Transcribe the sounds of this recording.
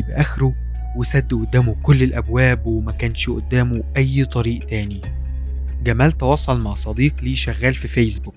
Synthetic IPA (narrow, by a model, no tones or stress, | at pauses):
beʔæxɾu | wesæd̪ːʔod̪ːæːmokolːelʔæbwæːbwemækæːnʃʔo̰d̪ːæːmoʔæjːt̪ˤɑɾiːʔt̪æːni | ɡæmæːlt̪ɑwɑːsˤɑlmaʕsˤɑd̪iːqliːʃæɣːæːlfifejsbuk